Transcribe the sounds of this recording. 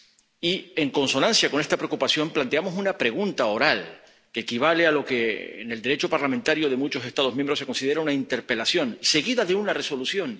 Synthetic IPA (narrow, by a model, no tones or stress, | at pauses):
ie̞ŋko̞nso̞nãnsjako̞nest̪apɾeokupasjo̞mplant̪e̞amosunapɾe̞ɣ̞unt̪ao̞ɾal | ke̞ːkiβ̞ale̞alo̞ke̞̰ne̞ld̪eɾe̞t͡ʃo̞paɾlamẽnt̪aɾjo̞ðe̞mut͡ʃo̞se̞st̪aðomjembɾo̞s̬e̞ko̞nsið̞e̞ɾaunaint̪e̞ɾpe̞lasjo̞nse̞ɣiðaðeunare̞so̞lusjo̞n